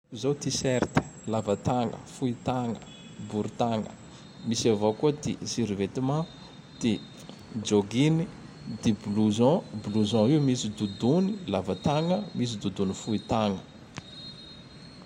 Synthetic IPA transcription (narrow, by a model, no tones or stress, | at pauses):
zot̪isɛɾt̪i̥lavət̪aŋə̰fuit̪aŋə̰ | buɾut̪aŋə̰ | misavokuəd̪ḭsiɾivet̪imã | d̪̥i | d͡ʒoɡini | d̪ibluzɔ̃bluzɔ̃iwmisid̪ud̪unilavət̪aŋəmis̬id̪ud̪unifuit̪aŋə